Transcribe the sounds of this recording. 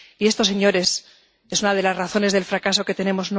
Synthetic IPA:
ie̞st̪o̞se̞ɲo̞ɾe̞s | esunað̞e̞lazraθo̞ne̞zðe̞lfɾakas̬o̞ke̞t̪e̞ne̞mo̞zn

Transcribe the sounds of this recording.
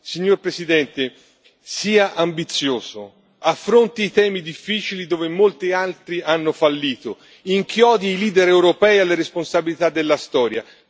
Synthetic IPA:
siɲːorpɾesid̪ɛnt̪e | siːaʔambit̪sːjoːzo | afːɾont̪iːt̪ɛːmid̪ifːiːt͡ʃilid̪oːvemːolt̪ialt̪ɾianːofalːiːt̪o | iŋkjɔːd̪iːliːd̪eɾewɾopɛjalːeɾesponsabilit̪ad̪ːelːast̪ɔːɾja̰

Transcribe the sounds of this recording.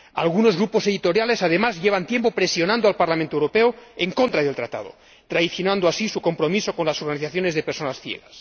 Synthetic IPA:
a̰lɣ̞uno̞zɣɾupo̞se̞ðit̪oɾjale̞sað̞emazʎe̞β̞ant̪je̞mpo̞pɾesjo̞nãnd̪oalpaɾlamẽnt̪oewɾopeoeŋko̞nt̪ɾaðe̞lt̪ɾat̪a̰ð̞o̰ | t̪ɾaiθjonãnd̪oasisuko̞mpɾo̞miso̞ko̞nlaso̞ɾɣaniθaθjo̞ne̞zðepeɾso̞nasfjḛɣas

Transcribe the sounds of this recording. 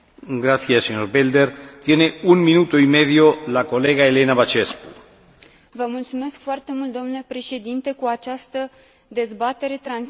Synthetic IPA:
ɡɾaθjeseɲoɾbeld̪eɾt̪jeneuŋmĩnut̪oimeðjolakoleɣaelenaβat͡ʃesku | vəmult̪sume̞skfoart̪e̞mult̪d̪o̞mnule̞pɾe̞ʃe̞d̪int̪e̞kuat͡ʃast̪ə | d̪e̞zbat̪eɾe̞t̪ɾan

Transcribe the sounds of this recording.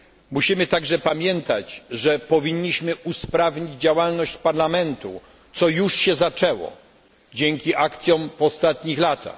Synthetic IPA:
muɕimɘt̪aɡʐɛpamʲjɛnt̪at͡ɕʐɛpɔvʲiɲːiɕmɘuspɾavɲid͡ʑd͡ʑawalnɔɕt͡ɕpaɾlamɛnt̪ṵ | t̪sɔjuʂɕɛzat͡ʂɛwɔ̰ | d͡ʑɛŋkʲiʔakt̪sʲjɔ̃mvɔst̪at̪ɲixlat̪ʰa̰x

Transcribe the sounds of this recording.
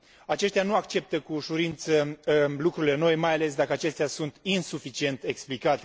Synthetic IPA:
at͡ʃe̞ʃt̪eanuakt͡ʃe̞p̚t̪əkuʃuɾint̪səlukɾuɾile̞no̞jmajale̞s̬d̪akəat͡ʃe̞st̪easunt̪insufit͡ʃie̞nt̪e̞ksplikat̪e̞

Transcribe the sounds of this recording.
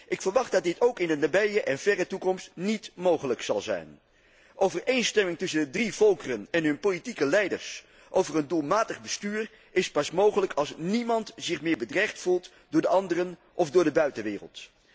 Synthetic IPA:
ʔɪkfəɹʋɑχdɑt̚dɪtowkɪndənabɛjəʔɛnvɛrətukɔmstnitmowχələksɑ̰lˠzɛ̰jn | ʔowvəɹejnstɛmɪŋtɵsəndədrivɔlˠkərənɛnɦɵnpolitikəlɛjdə̰ɹs | ʔowvərəndulˠmaːtəχbəstyːr | ɪspɑsmowχələkʰɑlˠsnimɑntz̥ɪχmɪːɹbədrɛjχtfulˠt | dʊːɹdəɑndərən | ʔɔfdʊːɹdəbœɥtəʋɪːrə̰lˠt

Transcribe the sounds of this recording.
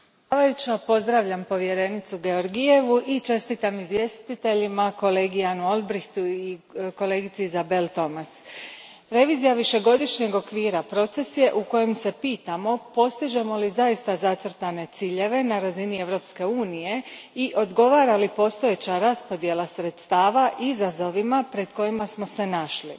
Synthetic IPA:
aʋajut͡ɕopo̞zd̪ɾaʋʎampo̞ʋje̞ɾe̞nit̪suɡe̞o̞ɾɡije̞ʋuʔit͡ʃe̞st̪it̪amizʋje̞st̪it̪e̞ʎimako̞le̞ːɡijanuo̞lbɾixt̪uiko̞le̞ːɡit̪sizabe̞lt̪o̞mas | ɾe̞ʋiːzijaʋiʃe̞ɡo̞d̪iʃɲe̞ɡo̞kʋiːɾapɾo̞t̪se̞sje̞ʔuko̞jemse̞piːt̪amo̞po̞st̪iʒe̞mo̞lizaist̪azat̪sr̩t̪ane̞t̪siːʎe̞ʋe̞naɾazinie̞ʋɾo̞pske̞uːnije̞iʔo̞d̪ɡo̞ʋaːɾalipo̞st̪o̞je̞t͡ɕaɾaspo̞d̪je̞lˠasɾe̞t̪st̪aːʋaʔizazo̞ʋimapɾe̞d̪ko̞imasmo̞se̞naʃlḭ

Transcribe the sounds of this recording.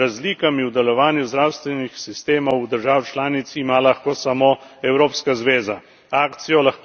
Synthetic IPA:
azliːkamiwd̪ɛlɔʋaːnjuzd̪ɾaːwst̪ʋɛnixsist̪eːmɔwd̪əɾʒaːwt͡ʃlaːnit̪simalaxkoːsamoɛwɾoːpskazʋeːza | aːkt̪sijɔlax

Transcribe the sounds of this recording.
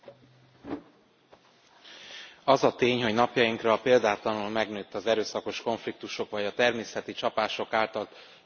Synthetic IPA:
ɒzɒt̪eːɲho̞ɟnɒpjɒjiŋkrɒːpeːld̪aːt̪lɒnulmɛɡnøːt̪ːɒzɛɾøːsɒko̞ʃko̞ɱflik̚t̪uʃo̞kvɒɟɒt̪ɛrmeːsɛt̪it͡ʃɒpaːʃo̞kaːlt̪ɒlt̪

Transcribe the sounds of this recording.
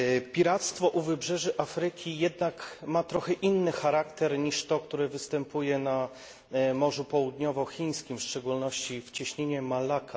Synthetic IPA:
pʲiɾat̪st̪fɔʔuvɘbʐɛʐɘʔafɾɘkʲijɛd̪nakmat̪ɾɔxɛʔinːɘxaɾakt̪ɛɾɲiʂt̪ɔkt̪uɾɘvɘst̪ɛmpʰujɛna | mɔʐupɔwud̪ɲɔvɔxʲiɲ̃skʲimfʂt͡ʂɛɡulnɔɕt͡ɕift͡ɕɛɕɲeɲɛmalakʰa

